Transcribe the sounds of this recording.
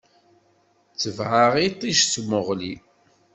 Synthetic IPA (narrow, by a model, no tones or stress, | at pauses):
t͡sːəvʕaʁit̪ˤːiʃt͡smʊʁli